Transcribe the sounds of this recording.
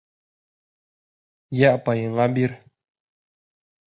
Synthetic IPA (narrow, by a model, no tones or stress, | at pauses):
jaʔpajəŋabiɾ